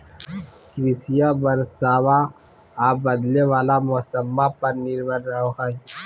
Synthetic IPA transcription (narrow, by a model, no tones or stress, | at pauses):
kɾɪsijabɐɾsaːwa | aːbəd̪leʋaːlamɔsəmːapɐɾnɪɾbəɾːəɦoɦai